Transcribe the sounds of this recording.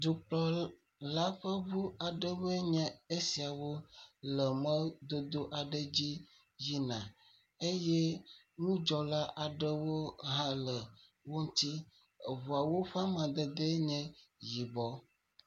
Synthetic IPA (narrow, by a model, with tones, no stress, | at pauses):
d̪u˨k͡plɔ˦ | la˦ɸə˦βu˦a˨ɖə˦we˦ɲɛ̃˨e˦si˨a˨wo˦lə˨mə̃˦d̪o˦d̪o˦ʔa˨ɖə˦d͡ʑi˦ | ji˦nã˨ | e˦jɛ˦ | ŋũ˦d͡ʒɔ˨la˦ʔa˨ɖə˦wo˦ɦã˦lə˨wo˦ŋ̩˦t̪i˦˨ | vu˨a˨wo˦ɸa˦mã˨d̪ə˨d̪e˦ɲɛ̃˦ji˨bɔ˦